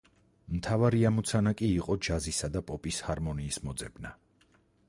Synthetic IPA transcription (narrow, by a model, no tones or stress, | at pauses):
mt̪ʰavaɾiamɔt̪sʰanakʼiːqʼɔd͡ʒazisad̪apʼɔpʼishaɾmɔniːsmɔd̪zɛbna